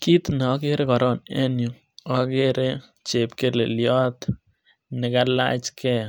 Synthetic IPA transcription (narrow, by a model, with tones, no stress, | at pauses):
ki˦t̪nɔ˦ke˦ɾe˦kɔ˨ɾɔ˦˨nɛ˦nju˨ | ɔ˦ke˦ɾe˦ | t͡ʃe˨pke˦lḛ˨ljɔ˦t̪ | nɪ˨kala̰˦t͡ʃkɛ˦